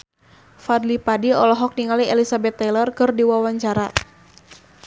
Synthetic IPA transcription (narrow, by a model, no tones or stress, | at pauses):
fad̪lipadiɔlɔɦɔk̚niŋalielisabɛt̪ːɛlərkɨrdiwawaɲt͡ʃaɾa